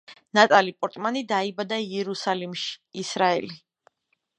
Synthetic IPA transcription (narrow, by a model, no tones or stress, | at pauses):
nat̪ʼalipʼɔɾt̪ʼmanid̪aibad̪aiɛɾusalimʃi̥ːsɾaɛ̰li